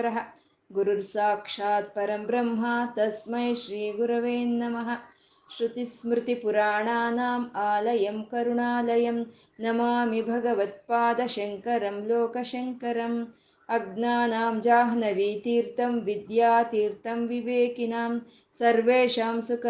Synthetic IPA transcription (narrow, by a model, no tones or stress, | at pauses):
ɾɐɦɐ̆ | ɡuɾuɾsaːkʂaːd̪pɐɾɐmbɾɐmɦɐːt̪ɐsmɐjʃɾiːɡuɾɐʋeːnːɐmɐɦɐ̆ | ʃɾut̪ismɾɪt̪ipuɾaːɳaːnaːmaːlɐjɐmkɐɾuɳaːlɐjɐm | nɐmaːmibʱɐɡɐʋɐt̪̚paːd̪ɐʃɐŋkɐɾɐmloːkɐʃɐŋkɐɾɐm | ɐɡnaːnaːmd͡ʒaːɦɐnɐʋiːt̪iːɾt̪ɐmʋid̪jaːt̪iːɾt̪ɐmʋiʋeːkinaːm | sɐɾʋeːʃaːmsukɐ